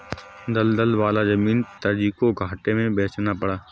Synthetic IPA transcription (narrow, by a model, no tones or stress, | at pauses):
d̪əld̪əlʋaːlazəmiːnt̪əɾd͡ʒiːkoɡʱaːʈemẽbeːt͡ʃnapəɽaː